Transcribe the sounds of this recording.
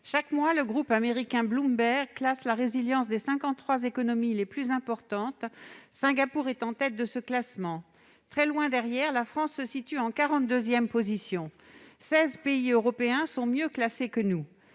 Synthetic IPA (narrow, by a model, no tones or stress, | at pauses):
ʃakmwaləɡʁupameʁikʲɛ̃blũmbɛʁklaslaʁeziljɑ̃sd̪esɛ̃kɑ̃t̪t̪ːχwazekɔnɔmileplyzɛ̃pɔʁt̪ɑ̃t̪sɛ̃ɡapuʁɛt̪ɑ̃t̪ɛt̪̚d̪əsəklasmɑ̃ | t̪χɛlwɛ̃d̪ɛʁjɛʁlafχɑ̃sːəsit̪yɑ̃kaʁɑ̃t̪̚d̪øzjɛmpozisjɔ̃ | sɛzpeiøʁɔpeɛ̃sɔ̃mjøklasekənu